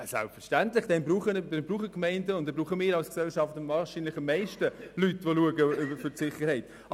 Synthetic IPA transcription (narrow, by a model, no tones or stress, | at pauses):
sa̰lpfəʃtæntlɪχd̥ɛnbɾuːχəndɛnbɾuːχəkmɛɪndəʊntdɛbɾuːχəmɪːɾɑlsksɛlʃɑftəmvɑːɾʃiːnlɪχəmːeɪʃtəlytʋoluəɡəbəfʏɾsɪχəɾhɛɪt